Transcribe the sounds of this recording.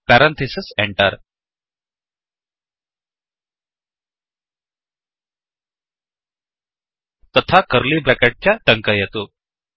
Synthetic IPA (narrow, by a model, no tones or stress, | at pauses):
pæɾant̪ʰesisɛɳʈaɾ | t̪ət̪ʰakəɾliːbɛkaʈ̚t͡ɕjaʈəŋkajɛt̪o